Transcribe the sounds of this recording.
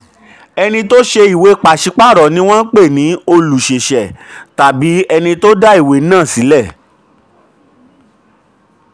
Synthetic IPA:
ɛ˧nĩ˧to˦ʃe˧i˨we˨˧˦k͡pa˨ʃi˧˦k͡pa˦˨ɾɔ˨nĩ˦w̃ɔ̃˦k͡pe˦˨nĩ˨˦o˧lu˨ʃe˨ʃɛ˨ta˨bi˨˦ɛ˧nĩ˧to˦da˦i˦˨we˨˦nãː˦˨si˨˦lɛ˦˨

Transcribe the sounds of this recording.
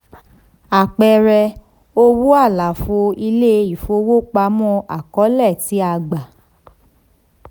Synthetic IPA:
a˨k͡pɛ˧ɾɛ˧ | o˧wu˦a˦˨la˨fo˧i˧le˦i˨fo˧wo˦k͡pa˧˦mɔ̃˦ʔa˨kɔ˨˦lɛ˦˨ti˨˦a˧ɡ͡ba˨

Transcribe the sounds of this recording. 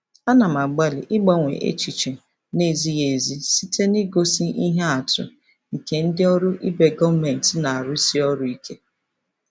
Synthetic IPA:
a˦na˨ma˨ɡ͡ba˦lḭ˨ʔɪ˦ɡ͡ba˦ŋʷḛ˨ʔḛ˦t͡ʃi˨t͡ʃe˨ | ne˦˨zi˦ɣe˨zi˦si˦te˦nɪ˦ɡo˦si˦i˦ɦe˦a˨tʊ̰˨ | ŋ̩˨ke˨˦n̩˦dɪ˦ɔ˦ɾʊ˦ʔi˦be˨ɡɔ˦me˨n̩˨tɪ˨na˨a˨ɾʊ˦si˦ɔ˦ɾʊ˦i˦ke˦

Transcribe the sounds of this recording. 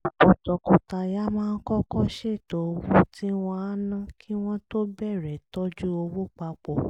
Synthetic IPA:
o˨tɔ˨kɔ̃˨ta˧ja˦mãː˦˧˦kɔ˦kɔ˦ʃe˦˨to˨˧wu˦ti˦w̃ɔ̃˧a˦nã˦kʰi˦w̃ɔ̃˦to˦bɛ˦˨ɾɛ˨tɔ˦d͡ʒu˦o˧wu˦k͡pa˧k͡pɔ˨

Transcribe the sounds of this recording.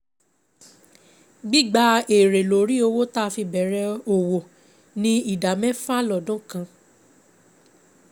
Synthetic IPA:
ɡ͡bi˦˨ɡ͡ba˧˦e˨ɾe˨lo˨ɾi˦o˧wo˦ta˦˧fi˧bɛ˨˦ɾɛ˧˦o˨wo˨ | nĩ˦i˦˨da˨mɛ̃˦fa˦lɔ˨dɔ̃˨˦kã˧

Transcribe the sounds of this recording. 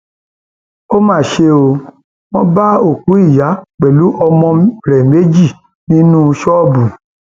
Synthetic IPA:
o˦mãː˦˨ʃe˧o˧ | wɔ̃˦ba˦o˦˨ku˨˦i˦˨ja˨˦k͡pɛ˨lu˨˦ʔɔ˧mɔ̃˧ɾɛ˨me˨˦d͡ʒi˦˨ | nĩ˦nũ˦ʃɔ˦˨bu˨

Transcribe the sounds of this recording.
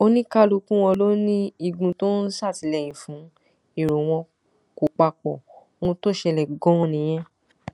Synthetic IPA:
o˧nĩ˦ka˦lu˧kũ˦w̃ɔ̃˧lo˦nĩ˦i˦˨ɡũ˧to˦n̩˦sa˦˨ti˨˧lɛ˦˨j̃ĩ˨fũ˨˦ | i˦˨ɾo˨w̃ɔ̃˧ | ko˨k͡pa˧k͡pɔ̃˨ | ũ˧to˦˨ʃɛ˧lɛ˨ɡɔ̃˦ɔ̃˧nĩ˨j̃ɛ̃˦

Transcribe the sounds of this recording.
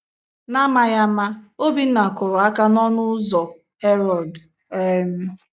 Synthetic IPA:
na˦ma˦ja˦ma˦o˦bi˦n̩˦na˨kʊ˨ɾɔ˨a˦ka˦nɔ˦nʊ˦zɔ˨ | he˦ɾɔ˨d | e˦m̩˦

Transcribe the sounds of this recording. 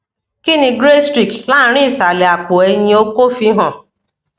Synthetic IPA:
ki˦nĩ˧ɡɾe˦stɾi˨kla˦ɾ̃i˦˨sa˨le˨a˨k͡pʊ˨e˧ɲĩ˦o˦ko˦fi˦ɦɔ̃˨

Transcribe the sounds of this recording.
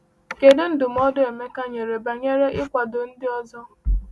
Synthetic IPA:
ke˨dɪ˦n̩˦dʊ˨m̩˦ɔ˦dʊ˦e˨me˦ka˦ɲe˨ɾe˨ba˨ɲe˦ɾe˦ʔɪ˦kʷa˨dʊ˨n̩˦dɪ˦ɔ˦zɔ˦

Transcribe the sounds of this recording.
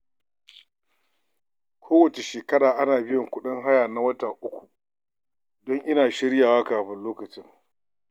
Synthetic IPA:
kʷʰoː˦wɐ˨t͡ʃe˨ʃeː˨kɐ˦ɽaː˨ʔa˦naː˨bɪ˦jɔ˨ŋkʷʊ˦ɗɪ˦ŋɦa˦jaː˨na˦wɐ˦ta˨ʔʊ˦kʷu̥˨ | dɔ˦ŋʔɪ˦naː˨ʃɪ˦ɽjaː˨waː˦kaː˨ɸɪ˦nloː˦kɐ˨t͡ʃɪ˦ŋ

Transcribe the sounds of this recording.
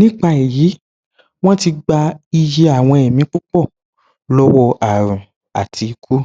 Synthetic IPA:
nĩ˦k͡pa˧i˨ji˨˦ | w̃ɔ̃˦ti˧ɡ͡ba˧i˧je˧a˨w̃ɔ̃˧ɛ˨mĩ˨˦k͡pu˦k͡pɔ˦˨ | lɔ˦wɔ˧a˨ɾ̃ũ˨ | a˨tʰi˧i˧kʰu˦

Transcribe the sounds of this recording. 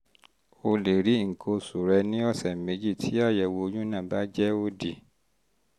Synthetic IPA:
o˧le˨ɾi˨˦ŋ̩˨kʰo˧su˨ɾɛ˧nĩ˦ɔ˦˨sɛ˨mẽ˨˦d͡ʒi˦˨tʰi˨˦a˦˨jɛ˨wo˧˦ɲũ˦nã˦˨ba˦d͡ʒɛ˦o˦di˨

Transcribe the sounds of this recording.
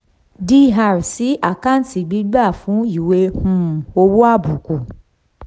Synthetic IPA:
di˦˨ɦa˧˨ɾsi˨˦a˦˨ka˦˨n̩˦˨ti˨ɡ͡bi˨˦ɡ͡ba˦˨fũ˨˦i˦˨we˧˦hũ˦˨o˧wo˦a˦˨bu˨ko˨

